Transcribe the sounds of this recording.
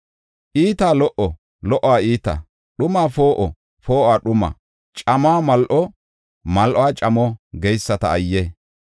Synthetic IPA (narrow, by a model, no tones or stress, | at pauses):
ʔiːt̪aːlɔʔɔ | lɔʔːaːiːt̪a̰ː | ɗʊmaːfo̞ːʔɔ | fo̞ːʔaːɗʊma̰ː | t͡ʃʼɐmaːmɐlʔɔ | mɐlʔɔaːt͡ʃʼɐmɔɡɛjsːɐt̪ɐ̰ːjːe